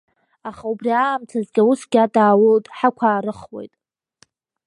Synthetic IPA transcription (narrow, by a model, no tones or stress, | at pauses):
aχaubriaːmt͡sʰazɡʲausɡʲadaːwoltʼħakʷʰaːɾɨχwe̞̰jtʼ